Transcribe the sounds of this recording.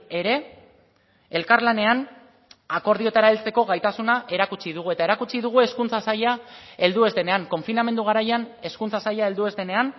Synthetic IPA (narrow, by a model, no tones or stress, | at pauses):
e̞ɾe̞ | e̞lkaɾlane̞an | ako̞ɾðio̞t̪aɾaelt͡se̞ko̞ɣajt̪asunaʔe̞ɾakut͡ʃiðuɣue̞t̪ae̞ɾakut͡ʃiðuɣ̞ue̞skunt͡sasajae̞ld̪ue̞zd̪ene̞aŋko̞ɱfiname̞nd̪uɣ̞aɾajane̞skunt͡sasajae̞ld̪ue̞zd̪e̞ne̞an